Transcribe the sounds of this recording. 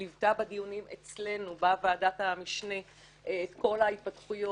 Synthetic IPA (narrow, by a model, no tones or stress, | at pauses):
livtabadiunimet͡sle̞nubavaaːdatamiʃneː | tko̞lait̚patχujo